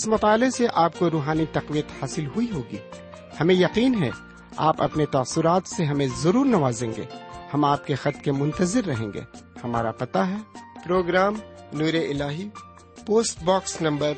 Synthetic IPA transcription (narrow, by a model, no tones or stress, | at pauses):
ɪsmɐt̪aːleseʔaːp̚koɾuːɦaːnit̪ɐqʋijət̪haːsɪlɦʊiɦoːɡḭː | hɐmẽjɐqiːnɦɛ̰ | a̰ːpɐ̰pnet̪aːsʊɾaːt̪seɦɐmẽzɐɾuːɾnɐʋaːzẽːŋɡḛːhɐmaːp̚kexɐt̪kemʊ̃nt̪əzɪɾːɐɦḛ̃ːŋɡḛːhɐma̰ːɾa̰pɐt̪aɦɛpɾoːɡɾaːmnuːɾeɪlaːɦi | poːsʈbɔːksnɐ̃mbəɾ